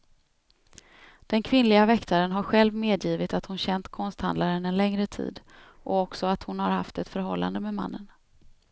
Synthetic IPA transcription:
d̪̥ɛnkʰvɪnlɪɡavɛkt̪ʰaɾənɦaɾɧɛlvmeːd̪jiːvɪt̪at̪hʊnɕɛnt̪kʰɔnst̪ha̰nd̪laɾənɛnlɛŋɾət̪ʰḭːd̪ | ʔɔɔksɔat̪hʊnhaɾhaft̪ɛt̪fœɾɦɔlːa̰nd̪əmɛma̰nːən

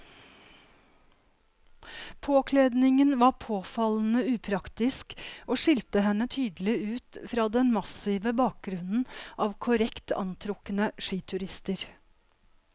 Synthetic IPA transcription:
pʰoːkʰleːd̪nɪŋənʋɑːpʰoːfɑln̩əʉːpʰɾɑkt̪ɪskoːʂɪlt̪əɦɛnət̪ʰyːd̪l̩ɪʉːt̪fɾɑːd̪ɛnmɑsiːʋəbɑːk̚ɡɾʉnn̩ʔɑːʋkʰʊɾɛkt̪ʰɑ̰nt̪ʰɾʊkənəʂiːt̪ʰʉɾɪst̪əɾ

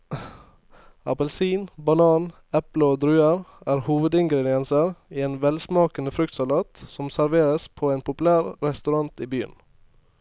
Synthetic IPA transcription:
ɑ̰pəlsiːnbɑnɑːn | ɛpləoːd̪ɾʉːəɾæːɾhuːʋəd̪ɪŋɡɾɛd̪ɪɛnsəɾiːeːnʋɛlsmɑːkənəfɾʉk̚t̪sɑlɑːt̪sɔmsæɾʋeːɾəspʰoːeːnpʰʊplæːɾɾɛst̪ʉɾɑnt̪iːbyːə̰n

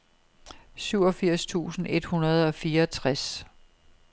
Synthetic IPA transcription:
syʊ̰ɒ̽fiɐ̰st͡sʰṵːsn̩e̝d̥hunɐð̞ˠɒ̽fiːɐt͡sʰʁas

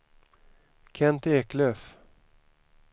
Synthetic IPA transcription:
kʰɛnt̪eːkløːf

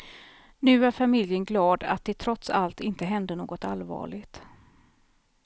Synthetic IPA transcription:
nʉ̟ːæɾfamɪljənɡlɑːd̪a̰t̪̚d̪ɛt̪ʰɾɔt̪sa̰lt̪ɪnt̪əɦɛnd̪ənoːɡɔt̪alvɑ̰ːɭɪɡt̪

